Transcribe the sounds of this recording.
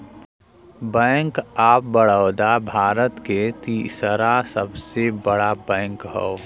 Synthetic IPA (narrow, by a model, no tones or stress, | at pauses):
bɛ̃ːŋkaːp̚bəɽəʊd̪abʱaːɾət̪ket̪isəɾasəbsebəɽabɛ̃ːŋkɦɔ̰o